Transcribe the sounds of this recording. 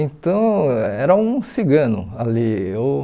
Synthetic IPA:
ẽt̪ɐ̃w̃ɛɾɐũsiɡɐ̃nʊ̰ | alio

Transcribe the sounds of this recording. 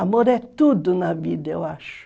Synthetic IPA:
amoɾɛt̪ud̪unavḭd̪eoaʃ

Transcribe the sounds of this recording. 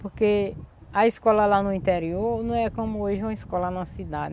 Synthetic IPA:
poɾkeɐiskɔlɐlanʊĩt̪ɛɾioɾnɐ̃w̃ɛkõmʊoʒɪũmɐiskɔlɐnɐsid̪ad̪ɪ

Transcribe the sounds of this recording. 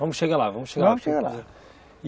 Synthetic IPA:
vɐmuʃeɣaɾlˠavɐmuʃeɣavɐmuʃeɣalˠa̰ | i

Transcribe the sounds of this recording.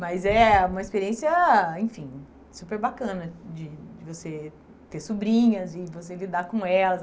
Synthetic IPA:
mɐzɛũmɐispeɾiẽsiɐẽj̃fĩ | supeɾbakɐ̃nɐd͡ʒɪd͡ʒɪvose | t̪eɾsubɾĩɲɐzɪvos̬elid̪aɾkõɛlɐz

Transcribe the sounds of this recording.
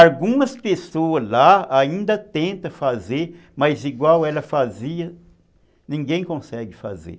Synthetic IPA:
awɡũmɐspesoɐzlaaĩnd̪ɐt̪ẽnt̪ɐfazeɾ | mɐjziɡwawɛlɐfaziɐ | nĩŋɡẽj̃kõsɛɡɪfa̰zḛ

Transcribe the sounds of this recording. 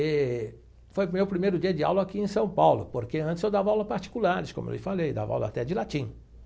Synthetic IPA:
ɛ | fojmewpɾimejɾʊd͡ʒiɐd͡ʒɪa̰wlɐakiẽsɐ̃w̃pawlʊpoɾkeɐ̃nt̪t͡ʃɪzewd̪avɐawlɐpaɾt͡ʃi̥kulaɾɪskõmʊḛwlɪfalejd̪a̰va̰wlɐ̰a̰t̪ɛd͡ʒɪlat͡ʃĩ

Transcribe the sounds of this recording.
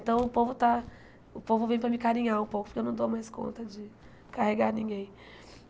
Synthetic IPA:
ẽt̪ɐ̃w̃ʊpovʊt̪a | ʊpovʊvẽj̃pɾɐmɪkaɾĩɲaɾũpowkʊpʊɾkewnɐ̃w̃d̪omajskõ̰nt̪ɐd͡ʒɪ | kaheɡaɾnĩɡẽj̃

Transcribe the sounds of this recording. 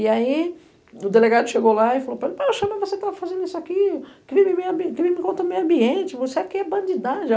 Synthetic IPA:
ɪai | ʊd̪eleɡad̪ʊʃeɡolaifalopelpaʃɐ̃mɐvoset̪avɐfazẽnd̪ʊisʊakikɪvimɪ̃mejɐ̃bikɪvimɪ̃kõnt̪ɐ̃mejɐ̃mbiẽnt͡ʃɪvoseɛkɪɛbɐ̃nd͡ʒid̪ad͡ʒ

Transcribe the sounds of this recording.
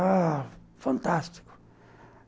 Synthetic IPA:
a | fãnt̪ast̪i̥kʊ̥

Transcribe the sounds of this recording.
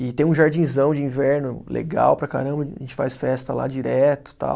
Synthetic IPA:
ɪt̪ẽj̃ũʒaɾd͡ʒĩjzɐ̃w̃d͡ʒɪĩvɛɾnʊlʔḛɡa̰wpɾɐka̰ɾɐ̃bɐʒẽnt͡ʃɪ̥fajsfɛst̪ɐla̰d͡ʒiɾɛt̪ʊ̥t̪a̰w

